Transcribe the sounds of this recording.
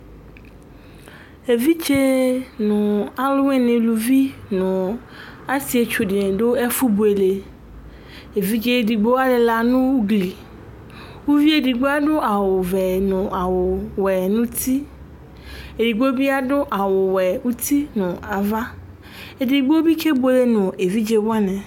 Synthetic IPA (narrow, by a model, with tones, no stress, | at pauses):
e˨vi˦t͡ʃe˦nɔ̃˨a˨lo˦ŋẽ˨nẽ˨lu˨vi˦nɔ̃˨ | a˦si˦e˨t͡ʃo˨ɖi˨nẽ˨ɖo˦e˦fu˦bu˨e˨le˨ | e˨vi˦t͡ʃe˦ɖi˨ɡ͡bo˦a˦le˨la˦nũ˦wu˦ɡli˨ | wu˦vi˦e˦di˨ɡ͡bo˦a˦ɖo˦ʔa˨wo˨vɛ˨nɔ̃˨a˨wo˨wɛ˨nũ˦t̪ʰi˦ | e˨ɖi˨ɡ͡bo˦bi˦a˦ɖo˦ʔa˨wo˨wɛ˨wu˦t̪i˦nɔ̃˨a˨va˦ | e˨di˨ɡ͡bo˦bi˦ke˦bo˦e˨le˦nɔ̃˨e˨vi˦d͡ʒe˦wa˦nɛ̃˨